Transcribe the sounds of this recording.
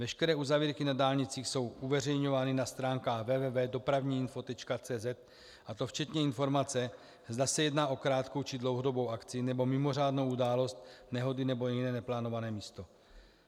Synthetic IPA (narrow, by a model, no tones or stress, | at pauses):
vɛʃkɛɾɛːʔuzaviːɾkɪnadaːlɲɪt͡siːxso̞wʔuvɛrɛjɲo̞vaːnɪnast̪ɾaːŋkaːxvɛːvɛːvɛːdo̞pɾavɲiːɪnfo̞t̪ɛt͡ʃkat͡sɛːzɛt̪̚ | ʔat̪o̞ft͡ʃɛt̪ɲɛɪnfo̞ɾmat͡sɛ | zdasɛjɛdnaːʔo̞kɾaːt̪ko̞wt͡ʃɪdlowɦo̞dobo̞wʔakt͡sɪnɛbo̞mɪmo̞r̝aːdnowʔudaːlo̞st̪̚nɛɦo̞dɪnɛbo̞jɛɪnɛːnɛplaːno̞vanɛːmiːst̪o̞